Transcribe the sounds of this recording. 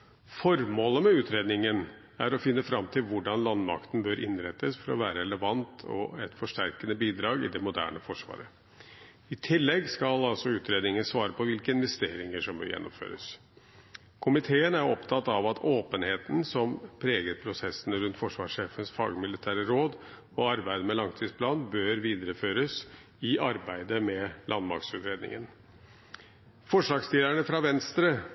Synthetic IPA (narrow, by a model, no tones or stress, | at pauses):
fɔɾmoːləmɛʉːt̪ʰɾeːd̪nɪŋən | æɾɔfɪnːəfɾɑmt̪ʰɪlʋʊɖɑnlɑnmɑ̰kt̪n̩bøːɾʔɪnɾɛt̪ːəsfɔɾɔ̰ʋæːɾəɛləʋɑnt̪ʰɔ̰ɛt̪fɔʂʈæɾkənəbiːd̪ɾɑːɡɪ̰d̪ɛmʊd̪æ̰ːɳəfɔʂʋɑ̰ːɾə | ɪt̪ʰɪlːɛɡskɑlɑlsɔʉːt̪ɾeːd̪nɪŋənsʋɑːɾəpʰɔʋɪlkəɪnʋɛst̪eːɾɪŋəʂɔmbø̰ːjɛ̰nːɔ̰mfø̰ːɾə̰s | kʰʊmɪt̪ʰeːənæɾɔpt̪ʰɑt̪ːɑʋɑt̪ʰoːpənheːt̪n̩sɔmpʰɾeːɡəɾpʰɾʊsɛsːənəɾʉnt̪fɔʂʋɑ̰ːʂeːfənsfɑ̰ːɡmɪlɪt̪ʰæːɾəɾoːd̪ | ɔɑɾbæɪd̪əmɛlɑŋt̪ʰiːspʰlɑːnbøːɾʋiːd̪əɾəføːɾəs | ɪʔɑɾbæɪd̪əmɛlʔɑnmɑ̰ɾksʉːt̪ɾeːd̪nɪ̰ŋə̰n | fɔʂɭɑːɡst̪iːd̪æɳəfɾɑʋɛnst̪ɾə